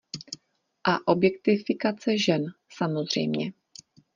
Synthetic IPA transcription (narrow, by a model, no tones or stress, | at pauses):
ʔaʔo̞bjɛk̚t̪ɪfɪkat͡sɛʒɛn | samo̞zr̝̥ɛ̰jmɲɛ